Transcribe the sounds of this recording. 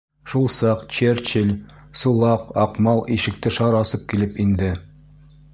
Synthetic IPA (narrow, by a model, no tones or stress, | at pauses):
ʃulˠsɑqt͡ɕeɾt͡ɕɘlʲ | sulˠɑqɒqmɑlˠiʃɘ̆k̚t̪ɘʃɑɾɒsɤp̚kilɘpind̪ɘ